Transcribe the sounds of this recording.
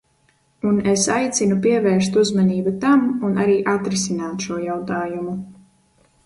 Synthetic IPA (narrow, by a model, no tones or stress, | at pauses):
unesajt̪sʲinupiɛvɛːɾst̪uzmaniːbat̪amunaɾiːʔat̪ɾisinaːt̪ʃuɔjawt̪aːjumu